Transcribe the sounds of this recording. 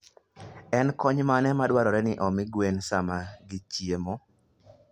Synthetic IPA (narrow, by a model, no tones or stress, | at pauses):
ɛnkɔɲmanɛmadwaɾɔɾɛnɪʔɔmɪɡwensamaɡit͡ʃiemɔ